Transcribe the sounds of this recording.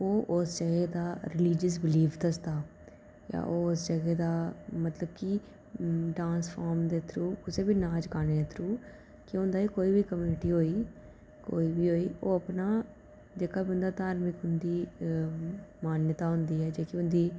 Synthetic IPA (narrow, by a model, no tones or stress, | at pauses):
oːʔʊsd͡ʒəɡɛːd̪aːɾɪliːd͡ʒəs̬bɪliːfd̪əsd̪aː | ja̰ːʔoːsd͡ʒəɡɛːd̪aːmət̪ləb̚kɪ | ɖãːnsfʰaːɾmd̪eːt̪ʰɾuːkʊseːbiːnaːd͡ʒkaːneːd̪et̪ʰɾuː | kɪɦʊ̃nd̪aːiːkoːiːbiːkəmjuːnɪʈiːɦoːiː | koːiːbiːɦoːiːoːəpnaː | d͡ʒeːkaːbiʊ̃nd̪aːt̪aːɾmɪkɦʊnd̪iː | maːnjət̪aːɦʊnd̪iːɦɛːd͡ʒeːkɪʊnd̪iː